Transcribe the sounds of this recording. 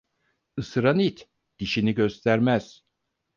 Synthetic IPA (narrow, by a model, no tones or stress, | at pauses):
ɯsɯɾanit̪ | d̪̥iʃiniɟø̞st̪ʰæɾmæz̥